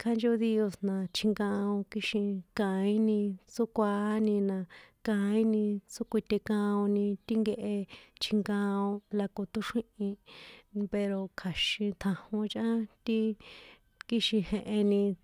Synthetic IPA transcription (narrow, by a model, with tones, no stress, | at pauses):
kʰa˦nd͡ʒe˦u˧ði˧o˧snã˨t͡ʃʰi˧ŋɡã˧õ˧ki˦ʃĩ˧kã˨˧ĩ˦nĩ˧t͡su˦kʷa˧˦nĩ˧nã˧kã˧ĩ˦nĩ˧t͡su˦kʷi˧t̪e˧kã˧õ˧nĩ˧t̪i˦ŋɡe˧ʔe˧t͡ʃʰi˧ŋɡã˧õ˧la˧ko˧t̪u˦ʂĩ˦ʔĩ˧ | pe˧ɾo˧kʰa˨ʃĩ˧t̪ʰã˧hõ˧t͡ʃʔã˦t̪i˦ | ki˦ʃĩ˧hẽ˧ʔe˧nĩ˧